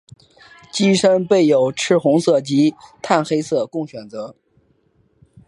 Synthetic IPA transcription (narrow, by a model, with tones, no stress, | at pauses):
t͡ɕi˥ʂə˥ŋpe˥˩ɪjo˨˩ʊʈ͡ʂʰɻ̩˥xʊ˧˥ŋsɤ˥˩t͡ɕi˧˥t̪ʰa˥˩nxe˥ɪsɤ˥˧kʊ˥˩ŋɕɥɛ˨˩nt͡sɤ˧˥